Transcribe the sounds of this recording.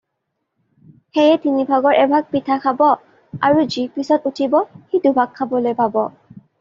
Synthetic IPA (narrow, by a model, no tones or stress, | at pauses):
xejɛtinibʱaɡɔɹʔɛbʱaɡ̚pitʰaxʰabɔ | a̰ɹuzipisɔtutʰibɔxidubʱakʰːabɔlojpabɔ